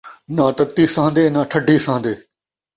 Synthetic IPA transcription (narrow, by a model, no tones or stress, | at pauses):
nãːt̪ət̪iːsãːnd̪eːnãːʈʰəɖʱiːsãːnd̪eː